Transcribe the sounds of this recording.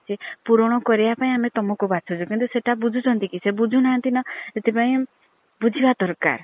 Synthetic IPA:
t͡ʃʰipuɾɔɽ̃ɔkɔɾibapaĩamet̪ɔmɔkubat͡ʃʰɔt͡ʃʰukint̪useʈabud͡ʒʱut͡ʃʰɔnt̪ikisebud͡ʒʱunaɦãnt̪inɔet̪epaĩ | bud͡ʒʱibad̪ɔɾka̰ɾ

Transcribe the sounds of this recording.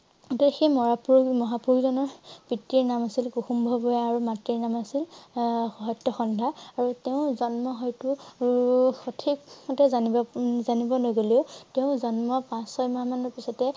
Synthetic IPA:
ɔtɔxejmɔɹapuɹɡmɔɦapuɹɡzɔnɔɹb̥itːiɹnamasilkuxumbʱɔbɔjaaɹumatiɹnamasilxɔɦɔtːɔxɔndʱaaɹuteʊ̃zɔnmɔɦɔjtʊ | xɔtʰikmɔtɛzanibɔzanibɔnojɡoliʊteʊ̃zɔnmɔpãsɔjmamanɔɹpisɔtɛ

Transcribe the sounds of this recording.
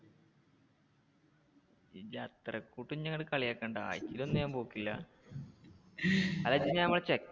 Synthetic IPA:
id͡ʑɐt̪rɐkːuːʈːuɲɐŋːɐɭkɐɭijaːkːeːɳɖɨa̰ːjt͡ɕːilo̞nːjaːmboːkːilːɐ̰ | ɐlɐt͡ɕːiɲaːnɐmːɐɭt͡ɕekː

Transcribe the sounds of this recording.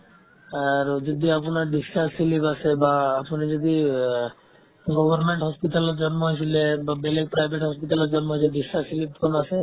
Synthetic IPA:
aɾd͡ʒɔd̪iaponaɾɖisassilipasʰebaːponid͡ʒɔd̪i | ɡɔbʱɔɾmeɳʈɦɔspiʈ̪aleɾd͡ʒɔnmoɦojtʰilebabelek̚pɾajbʱeʈɦɔspitaleɾd͡ʒɔnmoɦojtʰilɖisasilip̚ʰɔnasʰe

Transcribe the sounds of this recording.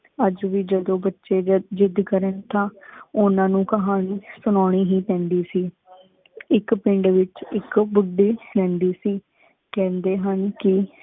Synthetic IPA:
əd͡ʒʋiːd͡ʒəd̪õːbətːʃeːd͡ʒɪd̪kəɾənt̪ãːʊnãːnũːkəɦaːniːsʊnaːɳ̃iːɦiːpɛ̃ːnd̪iːsiː | ɪkpɪɳɖʋɪt͡ʃɪkbʊɖiːlɛ̃ːnd̪iːsiː | kɛ̃ːnd̪eːɦənkɪ

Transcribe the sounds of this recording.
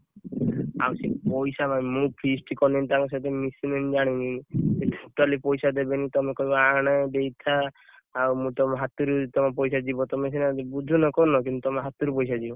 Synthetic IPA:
a̰wsepɔjsamamũpʰisʈikɔnint̪aŋɔs̬at̪emisinenid͡ʒaɽ̃iniet̪ʰut̪alipɔjsad̪ebenit̪ɔmekɔibɔaɽ̃ad̪ejt̪ʰaː | wmũt̪ɔmeɦat̪uɾut̪ɔmɔp̬ɔjsad͡ʒibɔt̪ɔmes̬ʰinad͡ʒebud͡ʒʱunakɔnɔk̬ĩnt̪ut̪ɔmeɦat̪uɾupɔjs̬ad͡ʒibɔ

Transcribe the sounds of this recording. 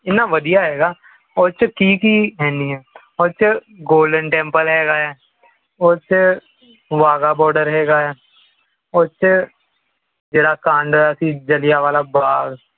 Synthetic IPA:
ɪnːaːʋəd̪ijaɦɛːɡaː | oːt͡ʃkiːkiɦɛ̃ːniɦɛː | oːt͡ʃɡoːlɖənʈɛ̃ːmpəlɦɛːɡaːɦɛː | oːt͡ʃ | ʋaːɡaːbɔːɾɖəɾɦɛːɡaːɦɛː | oːt͡ʃ | d͡ʒeːɽaːkãːɳɖəsĩd͡ʒəlɪjaʋaːlaːbaːɡ

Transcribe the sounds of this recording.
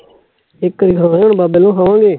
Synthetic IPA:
ɪkːəɾiɡʰãːɳbaːbeːlõːɦaːʋãːɡeː

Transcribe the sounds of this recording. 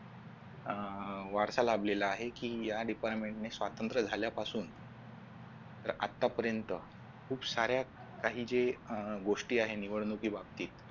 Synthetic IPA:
ʋaɾsalableləaɦekiːjaɖipaɾʈmeɳʈnesʋat̪ənt̪ɾəd͡zʱaljapasuːn | t̪əɾa̰t̪ːapəɾjənt̪ə | kʰuːbsaɾja | kaɦiːd͡zeɡoʂʈiːaɦeniʋəɽnukiːbab̚t̪iːt̪

